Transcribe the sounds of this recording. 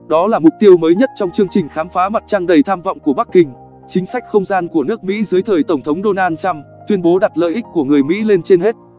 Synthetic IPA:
ɗɔ˨˦laː˨˩mʊ˨˩k͡p̚t̪i˧əwməː˨˦jɲə˦˥t̚t͡ɕɔ˧wŋ͡mt͡ɕɨ˧əŋt͡ɕï˨˩ŋ̟xaː˨˦mfaː˨˦ma˨˩t̚t͡ɕaː˧ŋɗə˨˩jt̪ʰaː˧mvɔ̰˧˨wŋ͡mku˧˩əɓa˦˥kːï˧ŋ̟ | t͡ɕï˨˦ŋ̟sa˦˥jk̟̚xə˧wŋ͡mzaː˧nku˧˩ənɨ˦˥ək̚mḭ˧˥zɨ˨˦əjt̪ʰəː˨˩jt̪ə˧˩wŋ͡mt̪ʰə˨˦wŋ͡mɗo˧naː˧nt͡ɕa˧m | t̪wi˧ənɓo˨˦ɗa˨˩t̚lə̰ː˧˨jʔï˦˥k̟̚kːu˧˩əŋɨ˨˩əjmḭ˧˥le˧nt͡ɕe˧nɦe˦˥t̚

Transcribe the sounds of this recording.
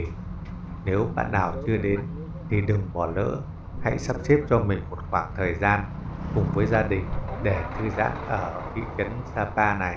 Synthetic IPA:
ne˨˦wɓa̰ː˧˨nɗaː˨˩wt͡ɕɨ˧əɗe˨˦n | t̪ʰi˨˩ɗɨ˨˩ŋɓɔ˨˩lə̰ː˧˥ | ha̰˧˥jsa˦˥p̚t͡ɕe˦˥p̚t͡ɕɔ˧mï˨˩ŋ̟mo˨˩t̚xwaː˧˩ŋt̪ʰəː˨˩jzaː˧n | kʊ˨˩ŋ͡mvəː˨˦jzaː˧ɗï˨˩ŋ̟ɗe˧˩t̪ʰɨ˧za̰ː˧˥nʔəː˧˩kḭ˧˨t͡ɕə˨˦nsaː˧paː˧na˨˩j

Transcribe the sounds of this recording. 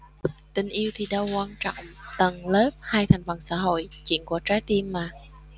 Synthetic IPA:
t̪ï˨˩ŋ̟ʔi˧əwt̪ʰi˨˩ɗə˧wkwaː˧nt͡ɕɔ̰˧˨wŋ͡mt̪ə˨˩nləː˦˥p̚haː˧jt̪ʰa˨˩jŋ̟və˨˩nsa̰ː˧˥ɦo̰˧˨jt͡ɕwḭ˧˨ənku˧˩ət͡ɕaː˨˦jt̪i˧mːaː˨˩

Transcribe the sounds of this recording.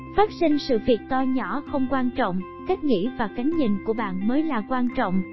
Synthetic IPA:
faː˦˥t̚si˧ŋ̟sɨ̰˧˨vi˨˩ək̚t̪ɔ˧ɲɔ˧˩xə˧wŋ͡mkwaː˧nt͡ɕɔ̰˧˨wŋ͡m | ka˦˥k̚ŋḭ˧˥vaː˨˩ka˨˦ŋ̟ɲi˨˩ŋku˧˩əɓa̰ː˧˨nməː˨˦jlaː˨˩kwaː˧nt͡ɕɔ̰˧˨wŋ͡m

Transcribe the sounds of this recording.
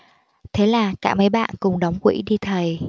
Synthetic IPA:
t̪ʰe˨˦laː˨˩kaː˧˥˩ma˨˦jɓa̰ː˧˨nkʊ˨˩ŋ͡mɗa˨˦wŋ͡mkwḭ˧˥ɗi˧t̪ʰə˨˩j

